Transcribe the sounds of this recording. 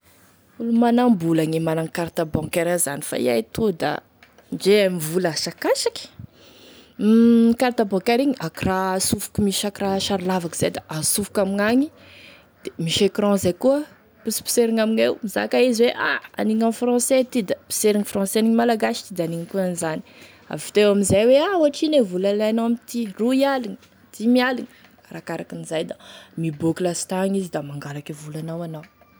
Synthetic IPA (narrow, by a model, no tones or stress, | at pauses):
ulumanambulaŋemanaŋkaɾt̪abɔ̃keɾaza̰nifa̰ḭa̰jt̪ud̪a̰ | nd͡ʒeamivulaasakasakʲi̥ | kaɾt̪abɔ̃keɾiɲiakirasufu̥kumiʃakiraʃaɾilavaki̥z̥ajd̪aʔasufu̥kamiŋaɲi | d̪̥emiʃekɾɔ̃zajkuə | pusi̥pi̥seɾiŋaminewmiza̰kaizweʔa̰a̰niŋãfrɑ̃set̪id̪api̥seɾiŋifrɑ̃seniŋmalaɡaʃi̥t̪id̪aniŋəkuanizani̥ | a̰vfi̥t̪ewaminzajweauaʈ͡ʂinevulalajanawamit̪iruialiŋə | t̪imialiŋə̥ | ɾakaɾakinizajd̪amiboklasi̥t̪aŋizid̪amaŋɡalakivulanawanaw